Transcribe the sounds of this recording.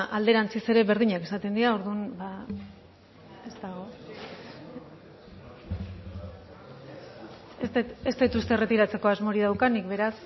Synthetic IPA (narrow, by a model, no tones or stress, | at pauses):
ʔald̪e̞ɾant͡sise̞ɾe̞βe̞ɾð̞iɲake̥sat̪e̞nd̪iao̞ɾðunba | e̞zt̪aɣ̞o̞ | eseest̪et̪ust̪e̞re̞t̪iɾat͡se̞ko̞azmo̞ɾiðawkanikβe̞ɾas